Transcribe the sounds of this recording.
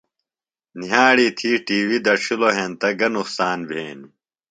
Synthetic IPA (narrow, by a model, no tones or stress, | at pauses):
niɦaːɽiːt̪ʰiːʈiːwid̪ɐɾɕuloɦẽːnt̪ɐɡɐnuqsaːnbʱeːni